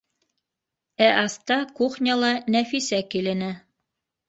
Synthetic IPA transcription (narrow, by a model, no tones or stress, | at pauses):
æʔɑst̪ɑkuχnʲɑlˠɑnæfisækilɘ̆nɘ